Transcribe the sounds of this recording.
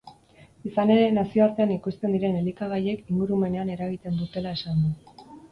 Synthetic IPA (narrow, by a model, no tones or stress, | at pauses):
isane̞ɾe̞nasio̞aɾt̪e̞anikust̪e̞nd̪iɾe̞nelikaɣaje̞kiŋɡuɾume̞ne̞ane̞ɾaɣ̞it̪e̞nd̪ut̪e̞lae̞sand̪u